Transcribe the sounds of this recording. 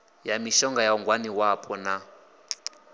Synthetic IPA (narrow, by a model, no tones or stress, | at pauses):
jamiʃɔŋɡajauŋɡwaniwapʰʼɔna